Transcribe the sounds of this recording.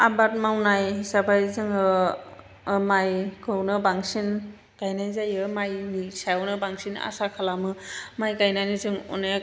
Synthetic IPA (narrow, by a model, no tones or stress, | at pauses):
abat̚mawnajsabajzɯŋɯ | majɡɯwnɯbaŋsin | ɡ̥ajnajzajɯmajnisajwnɯbaŋsina̰sakʰalamɯmajɡajnajnizɯŋɔ̰naj